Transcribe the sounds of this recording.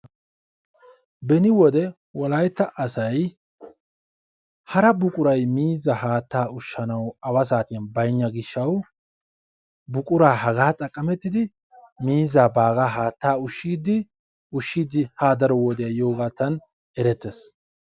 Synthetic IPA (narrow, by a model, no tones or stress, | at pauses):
bɛnɪwɔd̪ɛ | wɔlɐjt̪ːɐʔɐsɐj | hɐɾɐbʊkʼʊɾɐjmiːzːɐɦaːt̪ːaːʊʃːɐnɐwɐwɐs̬aːt̪ɪjɐnbɐjɲːɐɡɪʃːɐw | bʊkʼʊɾaːɦɐɡaːt̪ʼɐkʼːɐmɛt̪ːɪd̪ɪ | miːzːaːbaːɡaːɦaːt̪ːaːʊʃːiːd̪ɪ | ʊʃːiːd̪ɪhaːd̪ɐɾɔwɔd̪ɛjɐjo̞ːɡaːt̪ːɐn | ɛɾɛt̪ːes